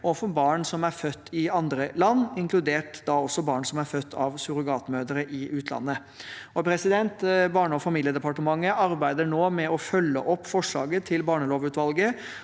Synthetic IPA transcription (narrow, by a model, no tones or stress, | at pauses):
ɔfɔbɑːɳsɔmæɾfœt̪ːɪɑnd̪ɾəlɑnːɪŋklʉd̪eːʈd̪ɑɔsːɔbɑːɳsɔmæɾfœt̪ʰːɑʋsʉɾʉɡɑːt̪møːd̪əɾəʔɪʔʉːt̪ʰlɑ̰nːə | ɔpʰɾɛsɪd̪ɛnt̪bɑːɳəɔfɑmiːljəd̪ɛpɑʈəmɑŋːəʔɑɾbæɪd̪əɳoːmɛɔfœlːə̰ʔɔpːfɔʂɭɑ̰ːɡət̪ʰɪlbɑːɳəloːʋʉːt̪ʋɑlɡə